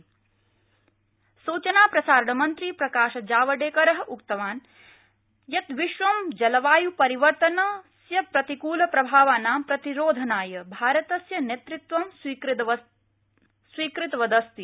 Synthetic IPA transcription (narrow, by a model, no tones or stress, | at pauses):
suːt͡ʃɐnaːpɾɐsaːɾɐɳɐmɐnt̪ɾipɾɐkaːʃɐd͡ʒaːʋɐɖeːkɐɾɐɦɐʔukt̪ɐʋaːn | jɐt̪ʋiʃʋɐmd͡ʒɐlɐʋaːjupɐɾiʋɐɾt̪ɐnɐsjɐpɾɐt̪ikuːlɐpɾɐbʱaːʋaːnaːmpɾɐt̪iɾoːd̪ʱɐnaːjɐbʱaːɾɐt̪ɐsjɐnet̪ɾit̪ʋɐm | swiːkɾit̪ʋɐd̪ɐst̪i